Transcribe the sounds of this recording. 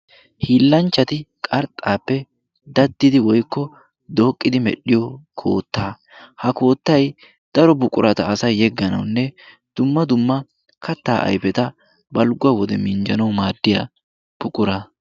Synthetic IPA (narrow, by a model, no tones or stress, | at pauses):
hiːlːɐnt͡ʃːɐt̪ɪkʼɐɾt̪ʼːaːpːɛ | d̪ɐd̪ːɪd̪ɪwɔjkːɔ | d̪o̞ːkʼːɪd̪ɪmɛ̰ɗɪjɔkʰo̞̰ːt̪ːaː | hɐko̞ːt̪ːɐj | d̪̥ɐɾɔbʊkʼʊɾʔɐt̪ɐɐsɐjːɛɡːɐnɐ̰wnːɛ | d̪̥ʊmːɐd̪ʊmːɐ | kʰɐt̪ːa̰ːʔɐ̰jpɛt̪ɐ | bɐlɡʊwɐwɔd̪ɛmɪnd͡ʒɐnɐwmaːd̪ːɪja̰ | b̥ʊkʼʊɾɐ